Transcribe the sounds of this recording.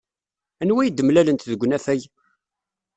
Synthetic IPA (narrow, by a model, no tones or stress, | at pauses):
ænwæjd̪əmlælənt̪ðəɡʷːnæfæj